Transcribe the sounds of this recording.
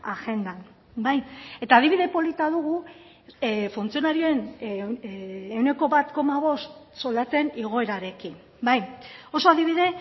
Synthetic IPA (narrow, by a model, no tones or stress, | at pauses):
axe̞nd̪an | bajet̪aːð̞iβiðe̞po̞lit̪aðuɣu | funt͡sio̞naɾio̞e̞n | e̞wne̞ko̞βat̪ko̞maβ̞o̞st̪sold̪at͡se̞niɣ̞o̞e̞ɾaɾe̞kin | bajo̞so̞aðiβiðe̞